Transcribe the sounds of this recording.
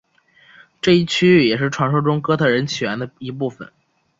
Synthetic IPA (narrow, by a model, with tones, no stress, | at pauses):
ʈ͡ʂɤ˥˧i˥˩t͡ɕʰy˥˩jɛ˨˩ʂ̬ɻ̩˥˩ʈ͡ʂʰwa˧˥nʂo˥ʊʈ͡ʂʊ˥ŋkɤ˥t̪ʰɤ˥˩ɻə˧˥nt͡ɕʰy˨˩ɛ˧˥nd̪ə˧i˧˥pu˥˩fə̰˨˩˦n